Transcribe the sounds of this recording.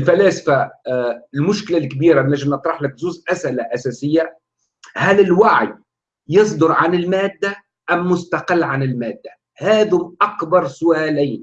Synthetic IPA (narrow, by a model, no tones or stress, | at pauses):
ɪlfælaːsḁfa | ɪlmʊʃkɪlalkbiːɾanæʒɪmnɨt̪ˤɾˤɑħlɪk̚zuːzʔasʔɪlaʔasæːsɪjːa | hælɪlwaʕj | jɨsˤd̪ʊɾˤʕanɪlmæːd̪ːa | ʔæmːʊst̪aqɪlːʕanɪlmæːd̪ːa | hæːðʊmʔɑkbɑɾˤsʊʔæːliːn